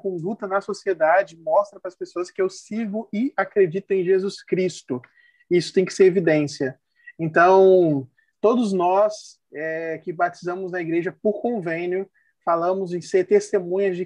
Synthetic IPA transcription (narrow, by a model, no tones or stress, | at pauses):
kõnd̪ut̪ɐnɐsosied̪ad͡ʒɪmɔst̪ɾɐpɾɐspesoɐskɪewsiɾɡʊɪakɾed͡ʒit̪ʊẽj̃ʒezuskɾist̪ʊ | isʊ̥t̪ẽj̃kɪ̥seɾevid̪ẽsiɐ | ẽnt̪ɐ̃w̃ | t̪od̪ʊznɔs | ɛkɪbat͡ʃizɐ̃mʊznɐiɡɾeʒɐpoɾkõvẽnjʊ | falɐ̃mʊzẽj̃seɾt̪est̪emũɲɐd͡ʒɪ